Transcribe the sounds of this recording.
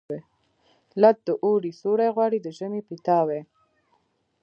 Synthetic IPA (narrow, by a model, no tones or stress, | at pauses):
e | lat̪̚d̪əʔoɽisoɽajɣwɑɽid̪əʒəmepit̪ɑwe